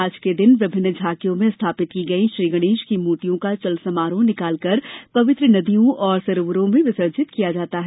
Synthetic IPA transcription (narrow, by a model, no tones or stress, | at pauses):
aːd͡ʒked̪ɪnʋɪbʱɪnːəd͡ʒʱaːkijõmẽst̪ʰaːpɪt̪kiɡɐiʃɾiːɡəɽ̃eːʃkimoːʈijõkat͡ʃɐlsɐmaːɾõnɪkaːlkɐɾpɐʋɪt̪ɾənɐd̪ijõɔːɾsɐɾʋəɾõmẽʋɪsəɾd͡ʒɪt̪kijad͡ʒaːt̪aɦɛ